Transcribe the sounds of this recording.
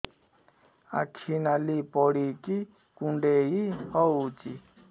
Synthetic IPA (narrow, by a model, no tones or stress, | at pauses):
a̰kʰinalipɔɽiki | kuɳɖejihɔut͡ʃi